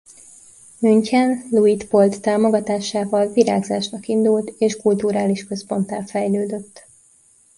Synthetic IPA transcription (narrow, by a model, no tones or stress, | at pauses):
myɲcɛnluit̪po̞lt̪ːaːmo̞ɡɒt̪aːʃaːvɒlviɾa̰ːɡzaːʃnɒkind̪ult̪eːʃkult̪uɾaːliʃkø̞spo̞nt̪aːlfɛjløːd̪øt̪ː